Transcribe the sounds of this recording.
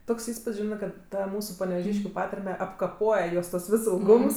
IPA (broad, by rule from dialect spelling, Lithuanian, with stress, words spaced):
ˈtoːks ˈiːspʊtʲsʲ ˈʒʲɪnɜ kɐt ˈtɐ ˈmuːsʊ pɐnʲɛʋʲɛˈʒʲiːʃʲkʲʊ ˈpɑːtɐrʲmʲɛ ɐpkɐˈpoːjɛ ˈjoːs tuɔs ˈʋʲɪs ɪlˠˈɡʊms